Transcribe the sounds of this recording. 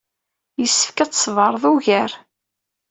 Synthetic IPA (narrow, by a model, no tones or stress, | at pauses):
jəsːə̥fkæt͡sːsvəɾˤðˤuʝəɾ